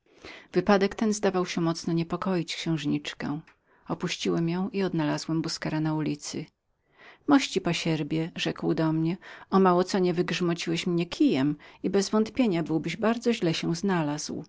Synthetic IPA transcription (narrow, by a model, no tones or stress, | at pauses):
v̥ɘpad̪ɛkt̪ɛnzd̪avawɕɛmɔt̪snɔɲɛpɔkɔjit͡ɕkɕɛ̃w̃ʐɲit͡ʂkɛ | ɔpuɕt͡ɕiwɛmjɔ̃w̃ʔiɔd̪nalazwɛmbuskɛɾanaulʲit̪sɘ | mɔɕt͡ɕipɔɕɛɾbʲjɛʐɛkwd̪ɔmɲɛɔmawɔt̪sɔɲɛvɘɡʐmɔt͡ɕiwɛɕmɲɛkʲʰijɛmibɛzvɔnt̪pʲjeɲabɘwbɘʑbaɾd̪zɔʑlɛɕɛznalaz̥w